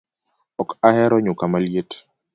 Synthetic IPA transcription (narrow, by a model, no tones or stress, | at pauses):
ɔkahɛɾɔɲʊkamaljet